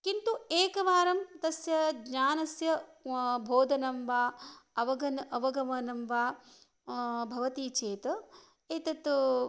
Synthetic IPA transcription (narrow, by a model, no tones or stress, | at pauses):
kint̪ueːkɐʋaːɾɐmt̪ɐsjɐɡɲaːnɐsjɐbʱoːd̪ʱɐnɐmʋaːɐʋɐɡɐnʔɐʋɐɡɐʋɐnɐmʋaː | bʱɐʋɐt̪it͡ʃeːt̪ɐ | eːt̪ɐt̪